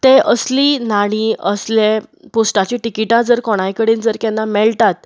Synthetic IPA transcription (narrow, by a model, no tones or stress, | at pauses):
t̪ẽəsliːnaɽ̃iəsleposʈat͡ɕĩʈikiʈãd͡zəɾkɔɽ̃ajkəɽiːnd͡zəɾkɛnːamɛɭt̪at̪̚